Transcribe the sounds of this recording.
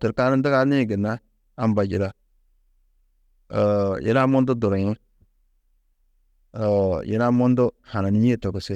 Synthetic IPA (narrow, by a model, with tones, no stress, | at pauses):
tə˨ɾka˦ɾi˦n˦do˦ka˦ni˦˨ɡi˨nːa˦ | a˦m˦ba˨d͡ʒi˨ɾa˦˨ | jḭ˦ɾa˦mo˦ndu˦do˨ɾo˨ɲi˦ | o˨jḭ˦ɾa˦mo˦ndo˦ha˨na˨ni˦e˦to˨ɡo˨se˦